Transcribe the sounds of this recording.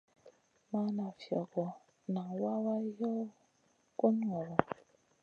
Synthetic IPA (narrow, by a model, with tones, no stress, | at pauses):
ma˦na˨fjɔ˨ɡɔ˨ | na˨wa˦wa˦jɔ˦ | ko˦n˦ŋɔ˨wɔ˨